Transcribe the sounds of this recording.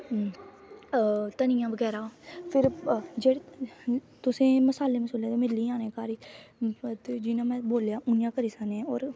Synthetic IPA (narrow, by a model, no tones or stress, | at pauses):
t̪ənɪjãːʋəɡɛːɾaːpʰɪɾd͡ʒeːɽ | t̪ʊsẽːməsaːleːməsoːlẽt̪emɪliːãːnẽːkaːɾiː | t̪ːd͡ʒɪnãːmɛ̃ːboːljaːʔʊnɪjãːkəɾiːsəneɔːɾ